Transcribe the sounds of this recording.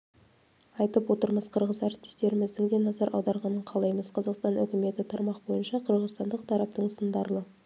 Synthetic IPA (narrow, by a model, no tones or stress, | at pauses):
ɑjt̪əpwo̞t̪əɾməz̥qʰəɾʁəzæɾɪp̚t̪est̪e̞ɾɪmɪzd̪ɪŋd̪e̞nɑzɑɾʔɑ̰wd̪ɑɾʁɑnəɴqʰɑlˠɑjməz̥qʰɑzɑqst̪ɑnʏ̰kʲɪme̞t̪ɪt̪ʰɑɾmɑqbo̞jənʃɑqʰəɾʁəzt̪ɑnd̪əq̚t̪ʰɑɾɑp̚t̪əɴsənd̪ɑɾlˠə